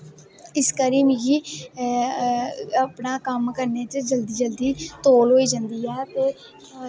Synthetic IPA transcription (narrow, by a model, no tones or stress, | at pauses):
ɪskəɾiːmɡiː | əpnaːkəmkəɾneːt͡ʃəd͡ʒəld̪iːd͡ʒəld̪iːt̪oːlɦoːiːd͡ʒãːnd̪iːɛːt̪eː